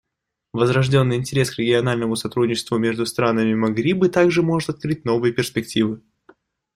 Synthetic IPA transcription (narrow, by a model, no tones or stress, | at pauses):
vəzɾɐʐdʲo̞nːɨjɪnʲtʲɪɾʲe̞skɾʲɪɡʲɪɐnalʲnəmʊsɐt̪ɾudʲnʲɪt͡ɕɪ̥st̪vʊmʲe̞ʐd̪ʊst̪ɾanəmʲɪmɐɡɾʲibɨt̪aɡʐɨmo̞ʐɨt̪ɐt̪̚kɾɨtʲno̞vɨjəpʲɪrspʲɪktʲivɨ